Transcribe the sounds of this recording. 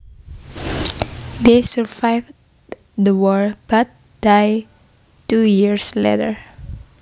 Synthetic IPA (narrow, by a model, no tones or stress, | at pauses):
d̪esəɹvajv | d̪əwɔɹb̥at̪̚ | d̥aj | tujiɹslḛtəɹ